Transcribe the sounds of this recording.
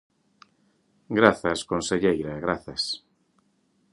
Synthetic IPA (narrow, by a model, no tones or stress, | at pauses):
ɡɾaθɐskonseʎejɾaɣɾaθɐs